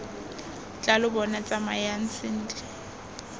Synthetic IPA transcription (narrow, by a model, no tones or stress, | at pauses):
t͡ɬʼalʊbɔnat͡sʼamajan̩t͡sɪn̩dʼɪ